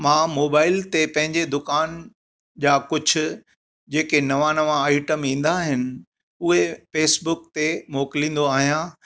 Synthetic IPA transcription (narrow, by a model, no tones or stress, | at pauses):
mãːmoːbaːɪlt̪epɐ̃ɦɪ̃ɲd͡ʑed̪ʊkaːn | d͡ʑaːkʊd͡ʑʱʊ̆ | d͡ʑeːkenɐʋãnɐʋãaːɪʈəmĩːn̆d̪aɦɪnɪ̆ | ʊɦefeːsbʊkt̪emoːkɪlĩːn̆d̪oaːɦijã